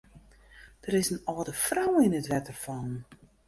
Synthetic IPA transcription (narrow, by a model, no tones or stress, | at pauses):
d̥əɾɪsənɔːdəfrawɪnətʋɛtərfɔn